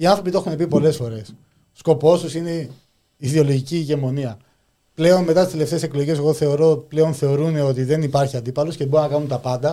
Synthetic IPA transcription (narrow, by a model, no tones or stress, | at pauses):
iɐnθɾo̞p̬it̪oe̞xunep̬ipo̞le̞sfo̞ɾe̞s | sko̞po̞susine̞ | iðio̞lo̞ʝiciʝe̞mo̞niɐ | ple̞o̞nmet̪ɐt̪ist̪ele̞ft̪eːse̞klo̞ʝe̞s̬eɣoθe̞oɾople̞o̞nθe̞o̞ɾune̞o̞t̪iðe̞nipɐɾçiɐnd̪ipɐlo̞sceboɾunɐkɐnunt̪ɐpɐnd̪ɐ